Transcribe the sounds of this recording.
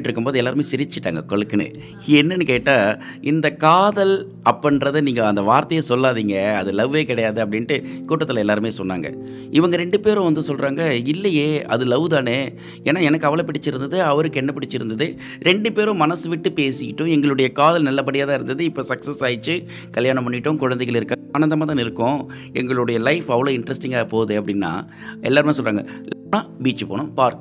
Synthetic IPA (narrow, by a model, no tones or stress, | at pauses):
ʈːɪɾɯkːɯmpoːðɯɛlːaːɾɯmeːsɪɾɪt͡ʃːɪʈːa̰ːŋɡɐkɔɭɯkːɯnɯ̰ | ɛnːɐnːɯkeːʈːaːɪnd̪ɐkaːðɐl | ɐpːɐnɾɐðɯniːŋɡɐɐnd̪ɐʋaːɾt̪ɐjɐsɔlːaːðiːŋɡɐɐðɯlɐʋʋeːkɪɽɐjaːðɯɐpːɐɽɪnʈɯkuːʈːɐt̪ːɪlɛlːaːɾɯmeːsɔnːa̰ːŋɡɐ̰ | ɪʋɐŋɡɐɾɛɳɖɯpeːɾʊ̃ʋɐnd̪ɯsɔlrɾaːŋɡɐɪlːɐjeːɐ̰ðɯlɐʋðaːneː | eːnaːɛnɐkːɯɐʋɐɭɐpːɪɽɪt͡ʃːɪɾɯnd̪ɐðɯɐʋɐɾɯkːɛnːɐpɪɽɪt͡ʃːɪɾɯnd̪ɐðɯ | ɾʔɛɳɖɯpeːɾʊ̃mɐnɐsɯʋɪʈːɯpeːsɪjɪʈːʊ̃ɛŋɡɐɭɯɽɐjɐkaːðɐlnɐlːɐp̬ːɐɽɪjaːðaːɪɾɯnd̪ɐðɯɪpːoːsɐksɐsaːjɪt͡ʃːɯ | kɐɭjaːnɐmpɐɳːɪʈːɯ̃kʊɻɐnd̪ɛɪɣɐɭɪɾɯkːaːaːnɐnd̪ɐmaːt̪aːnɪɾɯkːʊ̃ | ɛŋɡɐɭɯɽɐjɐlɐɪfɐʋɐɭoːɪɳɖɾɐsʈɪŋɡaːpoːðɯɐpːɐɽɪnːa̰ː | ɛ̰lːaːɾɯmeːsɔlrɾaːŋɡɐlɐnaːbiːt͡ʃːɯpo̰ːɳʊ̃paːɾk